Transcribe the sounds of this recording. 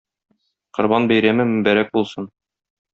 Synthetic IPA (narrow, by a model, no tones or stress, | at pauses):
qŏɾbɑnbæjɾæmɘmɘ̆mbæɾæk̚bulˠsɤn